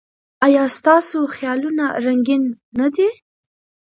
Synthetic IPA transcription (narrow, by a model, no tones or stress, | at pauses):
ajɑst̪ɑsoxjɑlunaɾaŋɡinː | ad̪e